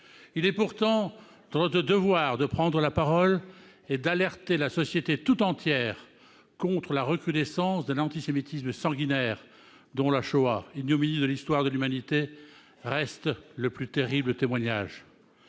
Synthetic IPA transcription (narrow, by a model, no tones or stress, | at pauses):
ilɛpuʁt̪ɑ̃ | d̪̥ɑ̃nɔt̪χəd̪əvwaʁd̪əpχɑ̃d̪ʁəlapaʁɔl | ed̪alɛʁt̪elasɔsjet̪et̪ut̪ɑ̃t̪jɛːʁ | kɔ̃t̪χəlaʁəkχyd̪ɛsɑ̃sd̪ɛ̃nɑ̃t̪isemit̪isməsɑ̃ɡinɛʁ | d̪ɔ̃laʃoainjominid̪əlist̪waʁd̪əlymanit̪e | ʁɛst̪ləplyt̪eʁiblət̪emwaɲa̰ʒ